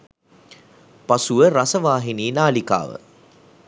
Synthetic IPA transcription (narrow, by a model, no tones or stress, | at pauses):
pasuʋəɾasəʋaːɦiniːnaːlika̰ːʋə̰